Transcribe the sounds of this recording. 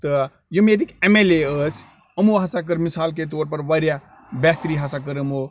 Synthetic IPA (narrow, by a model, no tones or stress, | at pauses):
t̪ə | jumet̪ikemeleəs | əmuɦɐsak̬əɾmisaːlk̬et̪oːɾpɐɾʋaɾja | bɛːt̪ɾiɦasak̬əɾəmo